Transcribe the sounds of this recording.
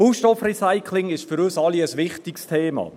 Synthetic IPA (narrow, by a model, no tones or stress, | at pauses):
uːʃtɔfrɛsaɪkʰlɪŋɪʃfʏɾøsɑliəsʋɪχtɪkstʰeːmɑ̰ː